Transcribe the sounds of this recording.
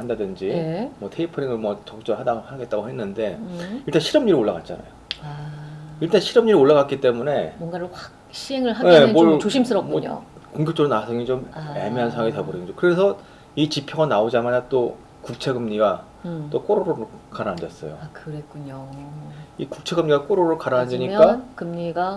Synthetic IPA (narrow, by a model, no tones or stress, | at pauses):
andadɯnd͡ʑimʌtʰeipʰɯɾiŋɯɭmwʌt͡ɕʌk̚t͡ɕ͈ʌɭɦadahaɡet̚t͈aɡohe̞nːɯnde̞iɭt͈anɕʰiɾʌmɲiɾioɭːaɡat̚t͡ɕ͈a̰na̰joaiɭt͈aɕʰiɾʌmɲiɾioɭːaɣak͈it͈e̞mune̞mʌŋɡaɾohak | ɕʰieŋɯɭaeot͡ɕoɕʰims͈ɯɾʌm͈koɲo̰koŋɡjʌk̚t͡ɕ͈oɾonasʰʌŋit͡ɕomemeansʰawaŋiteboɾid͡ʑokɯɾe̞sʰʌ | it͡ɕipʰjʌɡanaod͡ʑamanat͈o | kuk̚t͡ɕʰe̞ɡɯmɲiɡa | t͈ok͈oɾoɾoɾɯɭkaɾaandes͈ʌ̰jo̰akɯɾek͈uɲo | ikuk̚t͡ɕʰe̞ɡɯmɲiɡak͈oɾoɾɯɭkaɾaandeɲik͈akɯmɲiɡa